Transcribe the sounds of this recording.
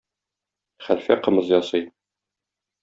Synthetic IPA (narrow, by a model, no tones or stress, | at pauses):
χælfæqɤ̆mɤzjɒsɤj